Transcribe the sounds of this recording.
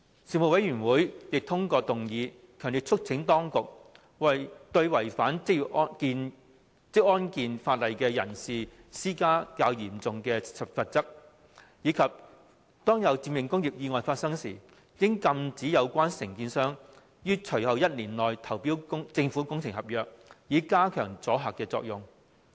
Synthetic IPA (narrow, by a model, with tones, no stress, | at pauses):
siː˨˧mʊ˨˩wɐ˨˥jɥyː˨˩nwuː˨˥jjɪ˨k̚t̪ʰʊ˥ŋkɔː˧t̪ʊ˨ŋjiː˨˧ | kʰœː˨˩ŋnli˨t̚ʰʊ˥k̚t͡sʰɪ˨˥ŋt̪ɔː˥ŋkʊ˨k̚ | wɐ˨˩jt̪ɵ˧ɥwɐ˨˩jfaː˨˥nt͡sɪ˥k̚ːɔ˥kiː˧n | t͡sɪ˥k̚ɔː˥nkiː˨nfaː˧t̚lɐ˨jkɛː˧jɐ˨˩nsiː˨siː˥kaː˥kaː˧wjiː˨˩mt͡sʊ˨ŋkɛː˧sɐ˨˩pfɐ˨t̚t͡sɐ˥k̚ | jiː˨˧kʰɐ˨p̚ | t̪ɔː˥ŋjɐ˨˧wt͡siː˧mjɪ˨ŋkʊ˥ŋjiː˨p̚jiː˧ŋɔː˨jfaː˧t̚sɐ˥ŋsiː˨˩ | kɪ˥ŋkɐ˧mt͡siː˨˥jɐ˨˧wkʷaː˥nsɪ˨˩ŋkiː˧nsœː˥ŋ | jyː˥t͡sʰɵ˨˩hɐ˨˧wjɐ˥t̚liː˨˩nlɔː˨jt̪ʰɐ˨˩wpiː˥wkʊ˥ŋt͡sɪ˧ŋfuː˨˥kʊ˥ŋt͡sʰɪ˨˩ŋhɐ˨p̚jœː˨k̚jiː˨˧˥kaː˥kʰœː˨˩ŋt͡sɔː˨˥ɦaː˨kːɛː˧t͡sɔ̰ː˧k̚jʊ˨ŋ